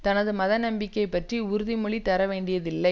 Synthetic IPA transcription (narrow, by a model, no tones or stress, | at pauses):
t̪ɐnɐðɯmɐðɐnɐmbɪkːɐɪpːɐʈriʊɾɯðimʊɭit̪ɐɾɐʋeːɳɖɪjɐðɪlːɐɪ